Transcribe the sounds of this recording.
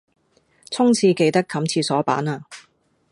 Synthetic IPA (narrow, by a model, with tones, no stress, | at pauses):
t͡sʰʊ˥ŋt͡sʰiː˧ke˧jt̪ɐ˥kʰːɐ˨˥mt͡sʰiː˧sɔː˨˥pa̰ː˨˥naː˧